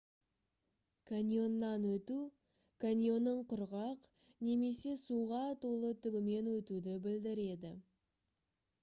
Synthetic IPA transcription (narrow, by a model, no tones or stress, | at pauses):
kʰanʲjo̞nːɑnwɵt̪u | kʰanʲijo̞nːəɴqʊɾʁɑq | ne̞me̞se̞suʁɑt̪ʰo̞lˠət̪ʰʏbɪme̞nwɵt̪ud̪ɪbɪld̪ɪɾe̞d̪ɪ̰